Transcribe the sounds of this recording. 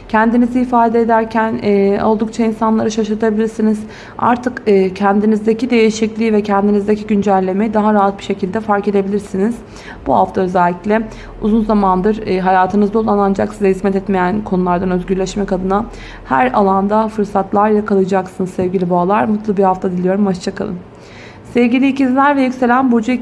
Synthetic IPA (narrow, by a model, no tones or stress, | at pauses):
cʰɛnd̪iniziifaːd̪eed̪æɾcʰænɛːo̞lˠd̪uk̚t͡ʃʰainsanlˠaɾɯʃaʃɯɾt̪ʰabilʲiɾsiniz | a̰ɾt̪ʰɯkɯːcʰɛnd̪inizd̪ecid̪e̞jiʃiclʲiːvɛcʰɛnd̪inizd̪eciɟynd͡ʒælʲːe̞mejid̪aɦaɾaɦat̪̚bi̥ʃe̞cʰilʲd̪ɛfaɾked̪e̞bilʲiɾsiniz̥ | buhaft̪ʰaøzælʲːiclʲɛ | uzunzamand̪ɯɾɦajaːt̪ʰɯnɯzd̪olˠanand͡ʒaksizɛhizmɛt̪ɛt̪me̞jænkʰo̞nulˠaɾd̪anøzɟʲyɾlʲɛʃmɛkad̪ɯna | hæ̰ɾalˠand̪afɯɾsat̪lˠaɾjakalˠɯjd͡ʒaksɯnɯzsɛvɟilʲibaalˠaɾmut̪lˠubihaft̪ʰad̪ilʲijo̞ɾumat͡ʃt͡ʃʰakʰa̰lˠɯ̰m | sɛvɟilʲiːcinzlʲæɾvɛjycʲse̞lʲænbo̞d͡ʒui